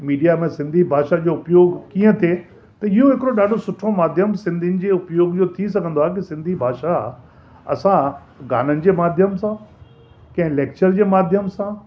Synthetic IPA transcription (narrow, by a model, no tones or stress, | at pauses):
miːɖijamẽsɪ̃nd̪ʱibʱaːʃad͡ʑoʊpjoːɡkiə̃t̪ʰe | t̪ɐɪɦoɦɪkɪɾoɗaːɖʱosʊʈʰomaːd̪ʱjəmsɪ̃nd̪ʱinɪ̆d͡ʑeːʊpjoːɡd͡ʑot̪ʰis̬ɐɡʱə̃nd̪oaːɦk̬isɪ̃nd̪ʱibʱaːʃa | ɐ̰sã | ɡaːnənɪ̆d͡ʑeːmaːd̪ʱjəmsã | kɐ̃ɦɪ̃leːk̚t͡ɕəɾd͡ʑeːmaːd̪ʱjəmsã